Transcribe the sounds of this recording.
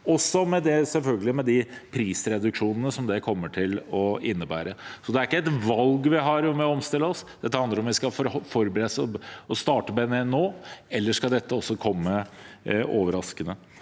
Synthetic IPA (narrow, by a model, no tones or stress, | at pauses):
ɔsːɔmɛd̪ɛsɛlfœlɡəlɪmɛd̪ɪpʰɾiːsɾɛd̪ʉkʂuːnənəsɔmd̪ɛkʰɔmːəʈʰɪlɔɪnːəbæ̰ːɾəsɔd̪ɛæɾɪkːəɛt̪ʋɑlɡʋɪɦɑɾjʊmɛɔɔmst̪ɪlːəɔsd̪̥ɛt̪ːəhɑnd̪əɾɔmʋɪskɑfɔɾfɔɾbəɾɛsɔst̪ɑːʈəbɛnɛnoːɛlːəʂkɑd̪ɛt̪ʰːəɔsːɔkʰɔmːə | ʔoːʋəɾɑskənə